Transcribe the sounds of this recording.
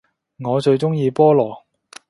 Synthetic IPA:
ŋɔː˨˧t͡ʃɵ˧ɥt͡ʃʊ˥ŋjiː˧pɔː˥lɔː˨˩

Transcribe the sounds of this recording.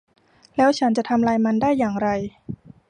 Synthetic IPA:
lɛː˦˥wt͡ɕʰa˦˥nt͡ɕa˨˩t̪ʰa˧mlaː˧jma˧ndaː˥˩jːaː˨˩ŋɾa˧j

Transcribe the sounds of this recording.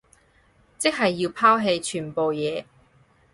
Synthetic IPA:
t͡sɪ˥k̚ɦɐ˨jːiː˧wpʰaː˥wɦe˧jt͡ʃʰyː˨˩npo˨wjɛː˨˧

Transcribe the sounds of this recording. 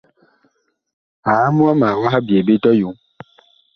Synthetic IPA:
a˨˦mũ˦a˦mã˨wɔ̃˦ɦa˦bi˨e˨be˦t̪ɔ˦ju˨˦

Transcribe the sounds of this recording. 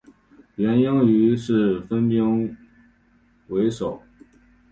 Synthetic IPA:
ɥɛ˧˥nji˥ŋy˧˥ʂɻ̩˥˩fə˥npi˥ŋ | we˧˥ɪʂo˨˩˦ʊ

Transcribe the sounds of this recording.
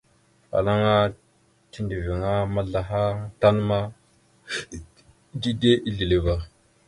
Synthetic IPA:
fa̰˨la˦ŋa˦ | ti˦ndi˨vi˨ŋa˦ma˦ɮa˨ɦa˦ta˦nma˦ | di˦de˦ʔi˦ɮi˨le˨ba˨

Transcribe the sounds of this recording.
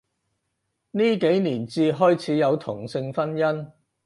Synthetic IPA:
niː˥ke˨˥jniː˨˩nt͡siː˧ɦɔː˥jt͡sʰiː˨˥jɐ˨˧wt̪ʰʊ˨˩ŋsɪ˧ŋfɐ˥njɐ˥n

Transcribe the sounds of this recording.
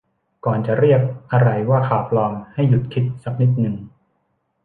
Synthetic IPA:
kɔː˨˩nt͡ɕa˨˩ʔɾi˥˩ək̚ʔa˧ɾa˧jwaː˥˩kʰaː˨˩p̚lɔː˧mha˥˩jːu˨˩t̪̚kʰi˦˥t̪̚sa˧˦k̚ni˦˥t̪̚nɯ˨˩ŋ

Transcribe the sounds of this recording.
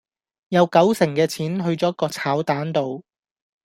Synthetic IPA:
jɐ˨˧wkɐ˨˥wsɪ˨˩ŋkɛː˧t͡sʰiː˨˥nɦɵ˧ɥt͡sɔː˨˥kːɔː˧t͡sʰaː˨˥wt̪aː˨˥nt̪o˨˧w

